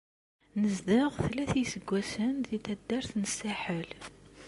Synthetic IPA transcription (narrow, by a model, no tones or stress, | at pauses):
nəzd̪aʁθlæθisəɡʷːæsənðiθæd̪ːæɾθnəsːaħəl